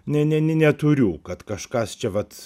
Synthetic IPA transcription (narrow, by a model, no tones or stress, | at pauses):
nʲɛnʲɛnʲɪnʲɛt̪ʊɾʲuːkɐt̪kɐʃkɐst͡ʃʲɛʋɐt̪